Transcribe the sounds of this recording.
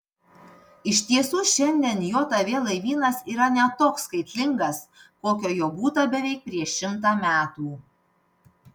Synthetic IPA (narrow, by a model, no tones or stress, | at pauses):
ɪʃʲt̪ʲiɛsuːʃʲɛnʲd̪ʲiɛnjoːt̪ɐʋʲeːlˠɐɪʋʲiːnɐsiːɾɐnʲɛt̪oːkskɐɪt̪ʲlʲɪŋɡɐskoːkʲoːjoːbuːt̪ɐbʲɛʋʲɛɪk̚pʲɾʲiɛʃʲɪmt̪̬ɑːmʲæːt̪uː